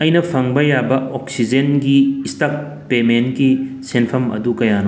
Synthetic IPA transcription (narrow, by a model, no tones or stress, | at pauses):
ɐjnɐpʰɐŋbɐjabɐoksid͡ʒenɡiːstɐp̚ | pementki | senpʰɐmɐ̰dukɐjanɐ